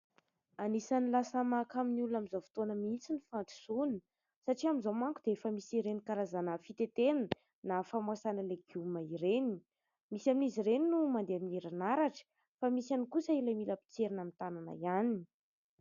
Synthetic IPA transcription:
anisanilasəmakaminiulunamizovi̥t̪onəmit͡sinifant̪i̥sun | saʈ͡ʂiamizomaŋkud̪eefəmisiɾenikaɾazanəfit̪et̪en | nafamasanəleɡumaiɾeni̥ | misaminiziɾeninumand̪eaminiɾanaɾaʈ͡ʂə̥ | famisanikusəilamiləpi̥t͡seɾinamint̪anana̰janin

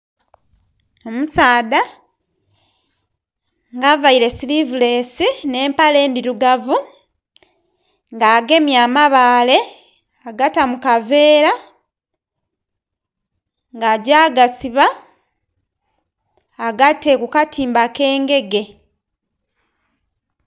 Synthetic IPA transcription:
o̞musaːda | ŋɡavaiɾe̞silivule̞sine̞ːmpale̞ːndiɾuɡavu | ŋɡaːɡe̞mjaːmaβaːle̞ | aɡatamukave̞ːɾa | ŋɡaɟaːɡasiβa | ɡatekukatʰiːmbake̞ːŋɡe̞ɡe̞

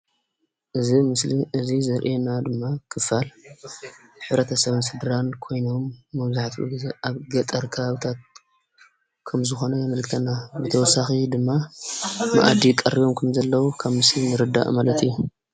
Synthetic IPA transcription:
ʔɨzimɨsliɨzizɐɾʔenad̪ɨmːakʰɨfal | ħɨβɾɐt̪ʰɐsɐβɨnsɨd̪ɾankʰo̞jno̞mːɐβzaħt̪ʰɨ̰ɡɨzʔaβɡɐt̪ʼɐɾkʰɐβaβɨt̪ʰat̪̚ | kʰɐmzɨxo̞nɐjɛmɨlkt̪ʰɐnːabɨt̪ʰɐwɔsaxid̪ɨmːa | ma̰ʔa̰d̪ikʼɐrːiβo̞mkʰɐmzɐlːɐwukʰaβmɨslinɨɾɨd̪ːa̰ʔmalɐt̪ijːu

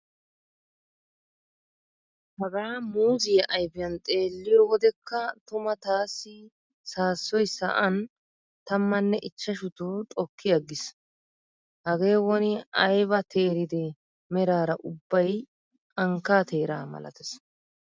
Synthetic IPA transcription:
hɐɡaɾamuːzɪjɐʔɐjbɪjɐnt̪ʼe̞ːlːɪjɔwɔd̪ɛkːɐt̪ʊmɐt̪aːsːɪ | saːsːɔjsɐ̰ʔɐn | t̪ɐmːɐnːɛʔɪt͡ʃːɐʃʊt̪ʊt̪ʼɔkːɪjɐɡɪs | hɐɡe̞ːwɔnɪɐjbɐt̪ʰe̞ːɾɪd̪ɛ | mɛɾaːɾɐʔʊbːɐj | ɐŋkːaːt̪e̞ːɾa̰ːmɐ̰lɐ̰t̪ɛs

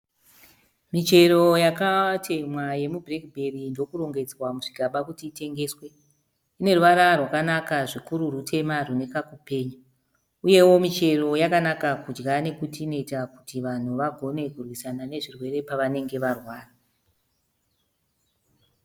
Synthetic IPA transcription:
mit͡ʃe̞ɾo̞jakatʰe̞mwaje̞mubrekbʱe̞rindo̞kuɾo̞ŋɡe̞d͡zwamuʐiɡʱaɓakutiːte̞ŋɡe̞ːswe̞ | ine̞ruʋaɾarwakanakaʐikuɾurutʰe̞marune̞kakupe̞ːɲu | uje̞wo̞mit͡ʃe̞ro̞jakanakakud͡ʒɡane̞kutiːno̞itakutiʋan̤uʋaɡʱo̞ne̞kurwisanane̞ʐirwe̞ɾe̞paʋane̞ŋɡe̞ʋarwaːra

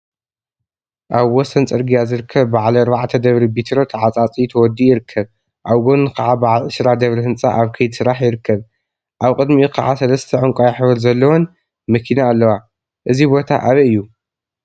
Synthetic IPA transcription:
ʔaβwɔsɐnt͡sʼɨɾɡijazɨɾɨkʰːɐβːaʕlɐːɾbaʕt̪ʰɐd̪ɐβɾibit̪ʰɾo̞t̪ʰɐʕat͡sʼat͡sʼijt̪ʰɐwɔd̪ijɪɾɨkʰːɐβ | ʔaβɡonɨkʰɐʕabaʕlɨsɾad̪ɐβɾihɨnt͡sʼa̰ʔaβkʰɐjd̪sɨɾaħjɪɾɨkʰːɐβ | ʔaβkʼɨd̪mikʰɐʕasɐlɐst̪ʰɐʕɨŋkʷʼajaħβɐɾzɐlːɐwon | mɐkʰinaːlːɐwa | ʔɨzibo̞t̪ʰa̰ʔaβɐɨjːu

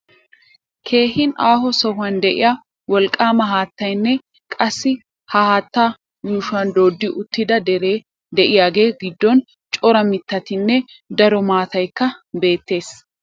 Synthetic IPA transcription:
kʰe̞ːhɪnaːhɔsɔhʊɐnd̪ɛʔɪ̰ja | wɔlkʼːaːmɐɦaːt̪ːɐjnːɛ | kʼɐsːɪ | hɐhaːt̪ːaː | juːʃɐnd̪o̞ːd̪ːɪʔʊt̪ːɪd̪ɐd̪ɛɾe | d̪ɛʔɪjaːɡe̞ːɡɪd̪ːɔn | t͡ʃʼɔɾɐmɪt̪ːɐt̪ɪnːɛ | d̪ɐɾɔmaːt̪ɐjkːɐbe̞ːt̪ːe̞ːs

